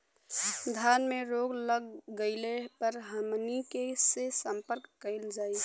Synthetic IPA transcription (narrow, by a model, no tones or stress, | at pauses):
d̪ʱanmeɾoɡləɡɡəɪlepəɾɦəmnikesesəmpəɾkːəɪld͡ʒaj